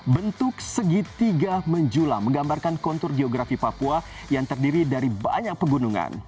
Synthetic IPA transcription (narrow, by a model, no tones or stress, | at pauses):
bənt̪ʊk̚səɡit̪iɡaməɲd͡ʒulaməŋɡambarkankɔnt̪ʊrɡeɔɡɾafipapua | jaŋt̪ərdiɾidaɾiba̰ɲak̚pəɡunuŋa̰n